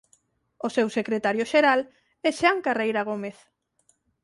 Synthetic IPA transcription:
osewsekɾet̪aɾjoʃeɾal | ɛʃaŋkarejɾaɣ̞omeθ

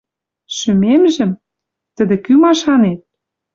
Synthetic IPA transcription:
ʃymemʒɘ̆m | t̪ə̆d̪ĕkymɑʃɑnet̪̚

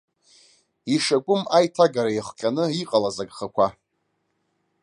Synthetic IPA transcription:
iʂakʷʼʊmajtʰaɡaɾajiχqʲʼanɨiqʼalazaɡʼχakʷʰa

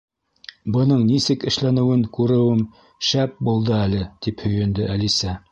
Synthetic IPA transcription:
bɤ̆nɤɴnisɘkɘ̆ʃlænɘ̆wɘŋkʉɾɘ̆wɘm | ʃæp̚bulˠd̪ɤælɘt̪iphɵ̆jɵ̆nd̪ɘʔælisæ

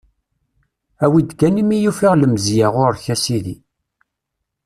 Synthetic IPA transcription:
æwid̪kænimijufiʁləmzjaʁʊɾçæsiðḭ

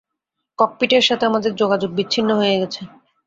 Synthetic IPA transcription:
kɔk̚piʈeɾʃat̪ʰeamad̪eɾd͡ʑoɡad͡ʑoɡ̚bit͡ɕːɕʰinːoɦoeɡɛt͡ɕʰe

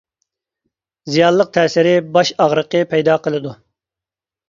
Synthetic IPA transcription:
zijɑːlːˠəq̚t̪ʰɛːsɪɾɪbɑʃɑʁɾəqɨpʰɛjd̪ɑːqəlˠɪd̪u

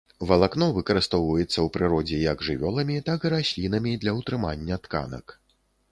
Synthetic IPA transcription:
vɐlˠakn̪ɔvɨkɐɾɨst̪ɔwvɐjɛt̪sːɐwpɾɨɾɔd͡zʲɛjɐɡʐɨvʲɔlˠɐmʲit̪akɨɾasʲlʲinɐmʲid̪lʲɐwt̪ɾɨmanʲːɐt̪ka̰nɐ̰k

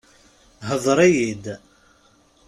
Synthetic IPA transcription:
ɦəðˤɾˤijid̪

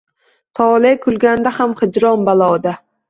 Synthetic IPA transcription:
t̪ʰɒːlekʰʊlɡʲand̪ahamχɨd͡ʒɾɒnbalˠɒːd̪a

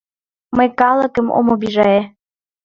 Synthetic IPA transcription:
məjkɑlˠə̆kə̆mo̰mobiʒɑe

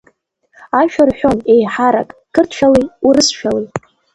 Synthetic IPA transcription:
aʃᶣarħʷᶣo̞nejħaɾa̰kʼkʰɨrtʰʃᶣalijurɨsʃᶣalij

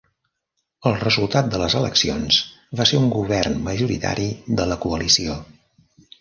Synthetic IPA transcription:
əlˠrəzulˠt̪at̪̚d̪ələzələ̰ksionzβaseuŋɡuβɛrnməʒuɾit̪a̰ɾiðələkuəlisio

